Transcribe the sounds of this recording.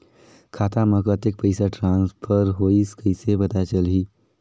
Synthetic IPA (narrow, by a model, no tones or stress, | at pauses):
kʰat̪aməkət̪ek̚pəjsaʈɾãnspʰəɾɦoiskəjsebət̪ajt͡ʃəlɦi